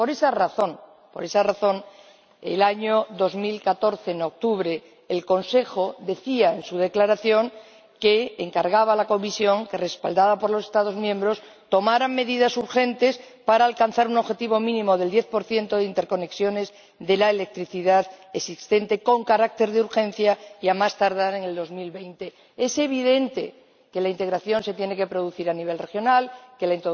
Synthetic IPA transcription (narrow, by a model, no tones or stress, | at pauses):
po̞ɾe̞saraθo̞n | po̞ɾe̞saraθo̞n | ḛlaɲo̞ðo̞zmilkat̪o̞ɾθeno̞k̚t̪uβɾe̞ː | lko̞nse̞xo̞ðe̞θiae̞nsuð̞e̞klaɾaθjo̞ŋ | ke̞ːŋkaɾɣaβalako̞misjo̞ŋke̞re̞spa̰ld̪aðapo̞ɾlo̞se̞st̪að̞o̞zmjẽ̞mbɾo̞s | t̪o̞maɾaŋmːe̞ðiðasuɾxe̞nt̪e̞s | paɾaːlkanθaɾuno̞βxe̞t̪iβ̞o̞mĩnĩmo̞ðeld̪je̞θpo̞ɾθje̞nt̪o̞ð̞eint̪eɾko̞ne̞ksjo̞ne̞z | ðe̞laele̞k̚t̪ɾiθiðaðesist̪e̞nt̪e̞ko̞ŋkaɾak̚t̪e̞ɾðeuɾxẽ̞n̟θjaiamast̪aɾðaɾe̞ŋe̞ld̪o̞zmilβe̞jnt̪e̞ | e̞se̞β̞iðe̞nt̪e | ke̞laint̪e̞ɣɾaθjo̞nse̞t̪je̞ne̞ke̞pɾo̞ð̞uθiɾaniβ̞e̞lre̞xjo̞nalke̞laint̪o